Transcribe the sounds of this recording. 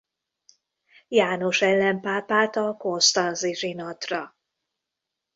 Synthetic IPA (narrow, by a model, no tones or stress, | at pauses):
jaːno̞ʃɛlːɛmpaːpaːt̪ɒko̞nst̪ɒnziʒinɒt̪rɒ